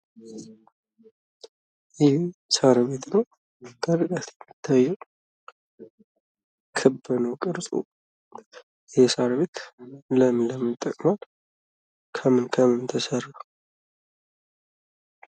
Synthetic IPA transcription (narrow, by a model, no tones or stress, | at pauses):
jɪhsaɾβe̞t̪nəw | kʼəɾɨkʼat̪jɛmːɨt̪ʰːajːɛw | kʰɨbːɨnəwkʼɨɾsʼṵ | jhsaɾβet̪ləmləmɨnt̪ʼːəkʼmal | kʰəmɨnkʰəmɨnt̪ʰəsərə